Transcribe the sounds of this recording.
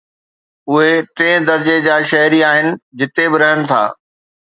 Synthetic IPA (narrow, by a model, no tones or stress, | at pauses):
ʊɦeʈẽːd̪ɐɾd͡ʑed͡ʑaːʃɐɦɾiaːɦɪnɪ̆d͡ʑɪt̪ebɪɾɐənɪ̆t̪ʰa̰ː